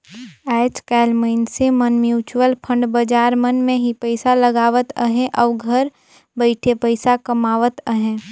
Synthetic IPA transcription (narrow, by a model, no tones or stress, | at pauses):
ɛːt͡ʃkɛːlməɪnsemənmjuːt͡ʃwəlpʰə̃ɳɖbəd͡ʒaːɾmənmẽɦipəɪsaləɡaːʋət̪əɦẽʔɔːɾɡʱəɾ | bəɪʈʰepəɪsakɐmaːʋət̪əɦɛ̃ː